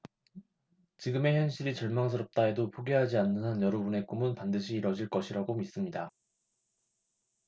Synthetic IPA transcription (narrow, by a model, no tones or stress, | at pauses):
t͡ɕiɡɯme̞çjʌnɕʰiɾit͡ɕʌɭmaŋs̬ʰɯɾʌp̚t͈ae̞dopʰoɡeɦad͡ʑianːɯnanjʌɾʌbune̞k͈omɯnpandɯɕʰiːɾʌd͡ʑiɭk͈ʌɕʰiɾaɡomis͈ɯmɲida